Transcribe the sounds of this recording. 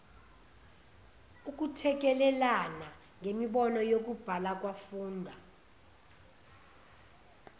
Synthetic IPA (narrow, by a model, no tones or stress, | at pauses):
uk̬ʼutʰɛk̬ɛlɛlana | ŋemiɓɔnɔjok̬ub̥ʱalak̬ʼwafuːndʱwa